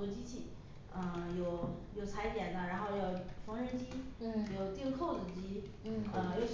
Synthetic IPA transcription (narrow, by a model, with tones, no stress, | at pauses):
ɔ˧˥t͡ɕi˥t͡ɕʰi˥˩ | ə˧jo˨˩ʊjo˨˩ʊt͡sʰa˧˥ɪt̪jɛ˨˩nd̪ə˦ɻa˧˥nxo˥˧ʊjɑ˨˩ʊfɑ˧˥ŋɻə˧˥nt͡ɕi˥˩˧jo˨˩ʊt̪i˥˧˥kʰo˥˩ʊt͡s̩˨˩t͡ɕi˥˩ | ə˧jo˧ʊ